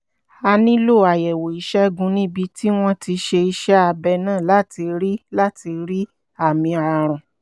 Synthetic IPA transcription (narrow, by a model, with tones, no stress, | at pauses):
a˧nĩ˦lo˦˨a˨jɛ˨wo˨i˨˦ʃɛ˦ɡũ˧˦nĩ˦bi˧ti˦w̃ɔ̃˦ti˧ʃe˧i˧ʃɛ˦a˧bɛ˧nãː˦˨la˦ti˧ɾi˦la˦ti˧ɾi˦ | a˦˨mĩ˧a˨ɾ̃ã˨